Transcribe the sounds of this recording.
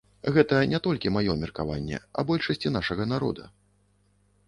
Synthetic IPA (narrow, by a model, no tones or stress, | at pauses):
ɣɛt̪ɐnʲɛt̪ɔlʲkʲimajɔmʲɛrkava̰nʲːɛ̰ɐ̰bɔlʲʂɐsʲt͡sʲinaʂɐɣɐnaɾɔ̰d̪ɐ